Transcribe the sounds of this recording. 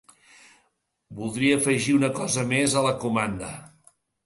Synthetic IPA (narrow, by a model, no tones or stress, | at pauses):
bulˠd̪ɾiəːfəʒiunəkɔzəmezələkumand̪ə